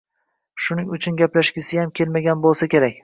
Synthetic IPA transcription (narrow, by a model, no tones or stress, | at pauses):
ʃʊnɪŋʊt͡ʃʰʊnɡʲaplaʃɡʲɪsɪjamkʲʰe̞lmaɡʲanbolˠsakʲʰe̞ɾakʲ